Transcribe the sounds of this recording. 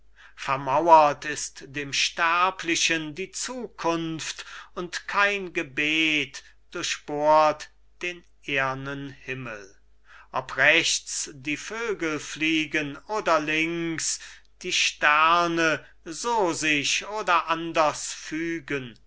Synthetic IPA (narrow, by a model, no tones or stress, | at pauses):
fɛɐmawɐtɪstd̥eːmʃtɛɐpʰlɪʃəndiːt͡suːkʰʊnftʊntkʰaɪnɡəbeːt | d̥ʊɐʃɕb̥oːɐt | d̥eːn | ʔeːɐnənhɪməl | ʔɔpʁɛʃt͡sd̥iːføːɡəlfliːɡənoːdɐlɪŋks | d̥iːʃtɛʁnə | zoːzɪɕoːdɐʔandɐsfyːɡən